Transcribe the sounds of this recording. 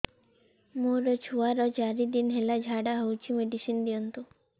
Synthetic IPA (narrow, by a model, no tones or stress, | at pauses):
muɾɔt͡ʃʰuaɾɔd͡ʒaɾid̪inɦelad͡ʒʱaɽaɦowt͡ʃʰimeɖisind̪ijɔnt̪u